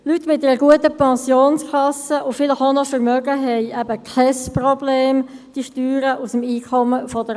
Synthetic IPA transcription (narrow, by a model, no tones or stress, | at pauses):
lytːmɪt̚ɛɾəɡuətəpɛnsjoːnskʰɑsəʔʊfɪlɪxonɔfəɾmœɡəɦɛɪɛbəkʰɛsprɔbleːmd̥iʃtyːɾəʔusəmiːkʰɔməfɔd̥ə